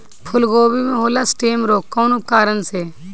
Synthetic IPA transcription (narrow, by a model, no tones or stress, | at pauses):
pʰʊlɡoːbimẽːɦoːlaːsʈeːmɾoːkːoːnʊp̚kaːɾənseː